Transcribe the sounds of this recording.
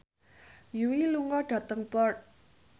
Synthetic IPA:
juwiluŋaɖat̪aŋpɔrt̪̚

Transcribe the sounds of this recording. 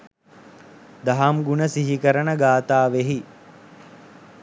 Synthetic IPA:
d̪ɐɦamɡunəsiɦikəɾənəɡaːt̪aːʋeɦi

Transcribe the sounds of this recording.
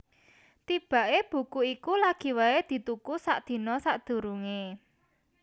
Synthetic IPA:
t̪ib̥a̤ʔeb̥ṳkuikulaɡ̥i̤waed̪̥i̤t̪ukusa̰ʔd̪̥i̤nɔsaʔd̪̥ṳɾuŋe

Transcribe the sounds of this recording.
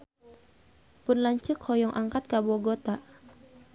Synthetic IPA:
pʊnlaɲt͡ʃɨkʰhɔjɔŋʔaŋkat̪̚kabɔɡot̪a

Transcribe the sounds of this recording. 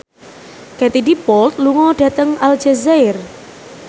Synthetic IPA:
kat̪idipɔlt̪̚luŋɔɖ̥ä̤t̪əŋald͡ʒazaɪr

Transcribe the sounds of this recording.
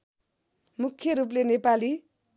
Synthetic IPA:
mukʰːjʌɾuplenepali

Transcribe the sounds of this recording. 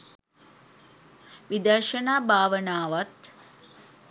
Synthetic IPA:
ʋid̪ɐrʃənaːbʱaːʋənaːʋat̪

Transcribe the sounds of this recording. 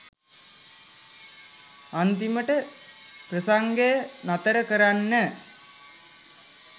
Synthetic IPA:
ant̪iməʈə | prəsaŋɡejənat̪əɾəkəɾanːə

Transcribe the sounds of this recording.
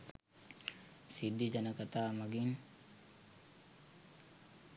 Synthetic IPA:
sid̪ːid͡ʒanəkat̪aːmaɡin

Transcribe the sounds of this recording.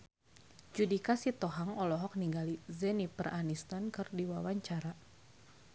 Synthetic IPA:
d͡ʒudikasit̪ɔɦaŋɔlɔɦɔk̚niŋɡalizɛnipərʔanist̪ankɨrdiwawaɲt͡ʃaɾa

